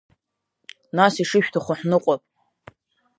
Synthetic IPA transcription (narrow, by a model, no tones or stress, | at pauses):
nasiʂɨʃᶣtʰaχʷʊħnɨqʷʼapʼ